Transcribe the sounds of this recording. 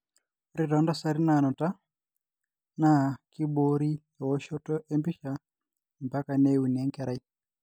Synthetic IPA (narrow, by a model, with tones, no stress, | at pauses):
ɾiɾa˨˦ndasa˨ɾi˦na˨nɔ˨ta˦ | naki˦ɓoɾi˦jɔ˨wɔ˦ʃɔ˦tɔ˦ʔe˦mbi˦ʃa | mba˦ka˨neu˨nɛ˦ŋkɛ˨ɾa˨i˦